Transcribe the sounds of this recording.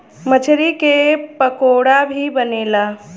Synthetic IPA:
mət͡ʃʰɾikepəkoɽabʱibəneːla

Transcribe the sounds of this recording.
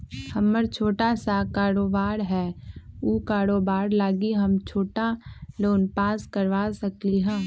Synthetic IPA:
hɐməɾt͡ʃʰoːʈasakaːɾoːbaːɾɦɛːukaːɾoːbaːɾlaːɡiɦɐmt͡ʃʰoːʈaloːnpaːskəɾʋasəkliɦãː

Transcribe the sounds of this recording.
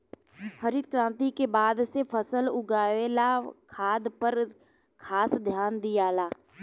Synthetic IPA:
həɾɪd̪̚kɾãːnt̪ikebaːd̪sepʰəsəlʊɡaːʋelakʰaːd̪pəɾ | kʰaːsd̪ʱjaːnd̪ijaːlaː

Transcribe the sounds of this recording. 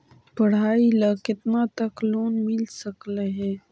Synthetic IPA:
pəɽ̤aːilakɪt̪nat̪ɐkloːnmɪlsəkleɦɛː

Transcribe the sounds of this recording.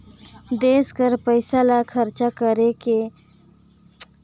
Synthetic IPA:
d̪eːskəɾpəɪsalakʰəɾt͡ʃakəɾeke

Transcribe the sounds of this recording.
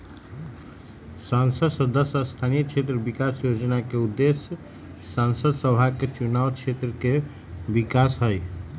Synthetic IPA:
sansəd̪səd̪əsast̪ʰanijət͡ʃʰet̪ɾəbikasjod͡ʒnakeud̪ːesjə | sansəd̪səbʱaket͡ʃunawt͡ʃʰet̪ɾəke | bikasɦəj

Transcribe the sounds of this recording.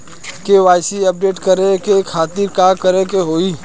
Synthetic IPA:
keʋaːɪsiɐp̚ɖeːʈkəɾekekʰaːt̪iɾkaːkəɾekeɦoːiː

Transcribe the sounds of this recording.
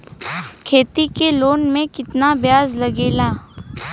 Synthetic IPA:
kʰeːt̪ikeloːnmẽkɪt̪nabjaːzlɐɡeːlaː

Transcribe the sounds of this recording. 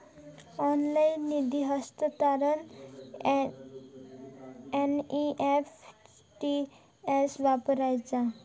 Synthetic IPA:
ɔnlajnːid̪iɦʌst̪ət̪aɾən | eniʔepʰ | ʈi | esbapəɾajd͡ʒa

